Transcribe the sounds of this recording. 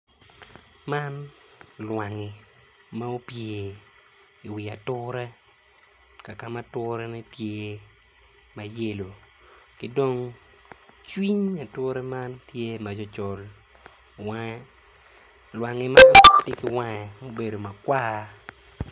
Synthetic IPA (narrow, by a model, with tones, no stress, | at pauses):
ma˦nlwa˨ŋɪ˨ | ma˦o˦pje˨ | i˨wi˨a˨tʊ˦ɾɛ˦ | ka˨ka˨ma˦tʊɾɛ˦nɛ˦tje˦ | ma˨je˦lo˨ | kɪ˦do˦ŋ | t͡ʃwi˦ɲa˨tʊ˦ɾɛ˦ma˦ntje˦ma˨d͡ʒɔ˦t͡ʃɔ˨l | wa˦ɛ˦ | lwa˨ŋɪ˨ma˦ti˦kɪ˨wa˦ɛ˨mo˦be˨do˨ma˨kwa˦